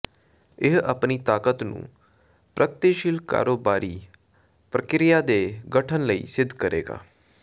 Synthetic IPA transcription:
ɪɦəpniːt̪aːkət̪nṵ̃ː | pɾəkt̪iʃɪlka̰ːɾoːbaːɾʔiː | pɾəkɾɪjaːd̪eːɡəʈʰənləḭːsɪd̪ʱːkəɾḛːɡa̰ː

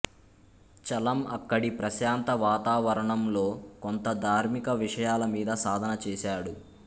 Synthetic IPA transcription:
t͡ʃɐlɐmɐkːɐɽipɾɐʃaːnt̪ɐʋaːt̪aːʋɐɾɐɳɐmlo̞ːkont̪ɐd̪ʱaːɾmikɐʋiʂɐjaːlɐmiːd̪ɐsaːd̪ʱɐnɐt͡ʃɛːʃaːɽu

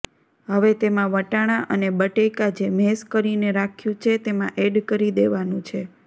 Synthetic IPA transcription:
ɦəʋet̪emãʋəʈaɽ̃aʔənebəʈekad͡ʒemɛskəɾineɾakʰjũt͡ʃʰet̪emãʔeɖkəɾid̪eʋanũt͡ʃʰe

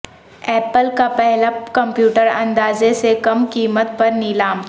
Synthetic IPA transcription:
ɛːpəlkapɛɦlakɐ̃mpjuːʈəɾɐ̰̃nd̪aːzesekɐmkiːmət̪pɐɾnɪlaːm

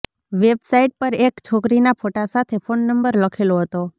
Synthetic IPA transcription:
ʋebsaiʈ̚pəɾekt͡ʃʰokɾinapʰoʈasat̪ʰefʰonːəmbəɾləkʰeloɦət̪o

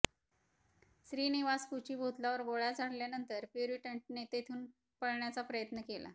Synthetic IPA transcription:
sɾiːniʋaskut͡ɕiːbʱot̪laʋəɾboɭjat͡saɽljanənt̪əɾpjuɾiʈəɳʈ̚net̪et̪ʰuːn | pəɽɳjat͡sapɾəjət̪nəkela̰

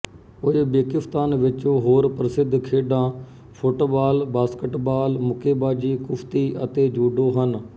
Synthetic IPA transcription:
oːebeːkɪft̪aːnʋɪt͡ʃõːɦoːɾpɾəsɪd̪ʱkʰeːɖãː | pʰoʈoːbaːlbaːskəʈbaːlmʊkʰeːbaːd͡ʒiːkʊpʰt̪iːʔət̪eːd͡ʒuːɖoːɦən

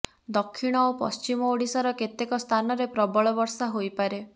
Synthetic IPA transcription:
d̪ɔkʰːiɽ̃ɔopɔ̰st͡ʃimɔoɽisaɾɔket̪ekɔst̪ʰanɔɾepɾɔbɔɭɔbɔɾsaɦojpaɾe

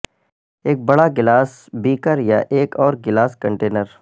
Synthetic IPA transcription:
eːk̚bɐɽaɡɪlaːs | biːkəɾjaʔeːkɔːɾɡɪlaːskɐ̃ɳʈeːnəɾ

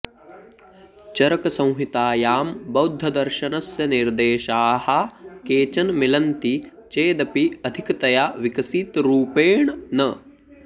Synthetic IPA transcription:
t͡ʃɐɾɐkɐsɐ̃w̃ɦit̪aːjaːmbɐwd̪ʱːɐd̪ɐɾʃɐnɐsjɐniɾd̪eːʃaːhɐkeːt͡ʃɐnmilɐnt̪i | t͡ʃeːd̪ɐpiɐd̪ʱikɐt̪ɐjaːʋikɐsit̪ɾuːpeːɳnɐ

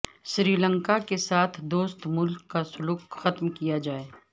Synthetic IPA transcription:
ʃɾiːlə̃ŋkakesaːt̪ʰd̪oːst̪mʊlkːasʊluːkxɐt̪mkijad͡ʒaːeː

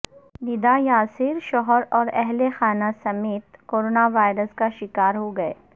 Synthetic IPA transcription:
nɪd̪ajaːsɪɾʃɔɦɔɾɔːɾɛɦlexaːnasɐmeːt̪koːɾoːnaʋaːɪɾəskaʃɪkaːɾɦoɡɐḛː

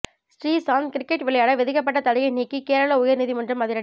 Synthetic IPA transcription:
sʈɾiːsaːnkɪɾɪkːɛʈʋɪɭɐjaːɽɐʋɛðɪkːɐp̬ːɐʈːɐt̪ɐlɐjɐɪniːkːikeːɾɐɭɐʊjɐɾnɪðimɐndrɯmːɐðɪɾɐ

